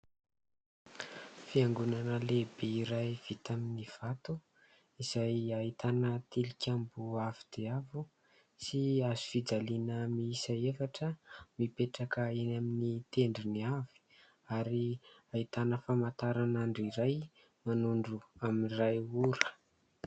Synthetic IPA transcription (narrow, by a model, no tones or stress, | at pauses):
fiaŋɡunanəlebeiɾajv̥it̪aminiv̥at̪u | iz̥ajait̪anət̪ilikʲambuavid̪̥eavu | siazufid͡zalinəmiisaefaʈ͡ʂəmipeʈ͡ʂakəenaminit̪eɳɖ͡ʐiniavi̥ | aɾiait̪anəfamat̪aɾanaɳɖ͡ʐiɾaj | manuɳɖ͡ʐuaminirajuɾə̥